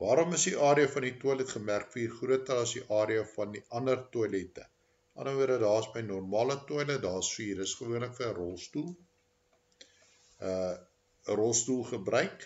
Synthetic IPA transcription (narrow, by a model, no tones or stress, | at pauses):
vɑːɾɔməsdiʔɑːɾiəfɐndituəlɛtχəmærkfəiːrχruətəlˠɐsdiʔɑːɾiəfɐndiʔɐndərtuəlɛtə̰ | ʔɐ̰nəʋuədədɑːəsməjnɔrmɑːlətuələdɑːəsfiːiɾəsχəvuənləkfəərɔlˠstulˠ | ə | rɔlˠstulˠχəbrœɥk